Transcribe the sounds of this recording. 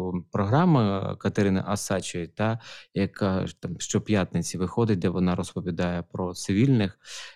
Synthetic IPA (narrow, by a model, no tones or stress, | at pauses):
pɾɔɦɾɑmɐkɐt̪eɾɪnɐ̰ʔɐsɑt͡ʃɪit̪ɑjɐkɑt̪ɑmʃt͡ʃɔpjat̪nɪt͡sʲiʋɪxɔd̪ɪt̚ʲd̪ɛʋɔnɑɾɔspɔʋʲid̪ɑjɛpɾɔt̪sɪʋʲilʲnɪx